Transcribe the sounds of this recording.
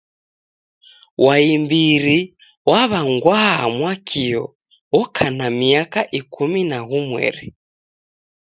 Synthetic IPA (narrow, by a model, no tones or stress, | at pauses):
waimbiɾi | waβaŋɡwaamwakʰiɔ | wɔkʰanamiakaʔikʰuminaɣumwɛ̰ɾi